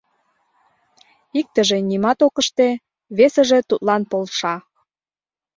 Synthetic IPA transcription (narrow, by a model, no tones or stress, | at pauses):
ik̚t̪əʒe̽nʲimɑt̪okə̆ʃt̪e | βesə̆ʒe̽t̪ut̪lɑnpolʃɑ